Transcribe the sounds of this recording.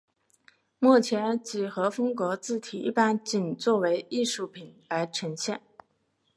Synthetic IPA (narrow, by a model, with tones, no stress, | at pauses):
mu˥˩t͡ɕʰjɛ˧˥nt͡ɕi˨˩xɤ˧˥fɤ˥ŋkwɔ˧˥t͡sɹ̩˥˩t̪ʰi˨˩ḭ˥˩pa˥nt͡ɕi˨˩nt͡swɔ˥˩we˧˥ɪi˥˧ʂu˥˩pʰi˨˩nla˧˥ɪʈ͡ʂʰɤ˧˥ŋɕjɛ̰˥˩n